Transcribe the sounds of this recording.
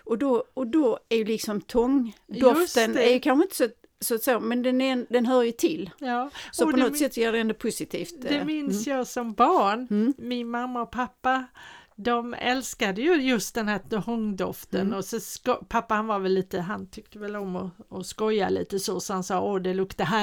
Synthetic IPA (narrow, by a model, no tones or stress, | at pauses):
ɔd̪ɔɔd̪ɔæɾjɵlɪksɔmt̪ʰɔŋd̪ɔft̪ənæɾjɵkʰanɧəɪnt̪ə̥sɔɛt̪ | sɔt̪soːmɛnd̪ɛnnd̪ɛnɦœːɾjʉt̪ʰɪlːɑːsɔpɔnɔt̪sɛt̪ːsjæːɖɛɛnd̪opʰʊsɪt̪ʰiːft̪d̪ɛmɪnsjɑːsɔmbɑːɳmɪnmamːaɔpʰapːad̪ɔmɛ̰lskad̪əjɵjɵst̪̚d̪ɛnhæːɔŋd̪ɔft̪ənɔsɛskpʰapːahanvaɾvɛlːiːt̪əɦant̪ʰʏk̚t̪əvɛlɔmɔɔskɔjːalḭːt̪əsɔsɔhansɑːoːd̪ɛlɵkt̪d̪əɦæː